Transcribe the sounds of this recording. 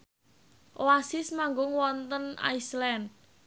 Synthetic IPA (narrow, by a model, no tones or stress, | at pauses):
ʔoasɪsmaŋɡʊŋwɔnt̪əna̰islɛnd̚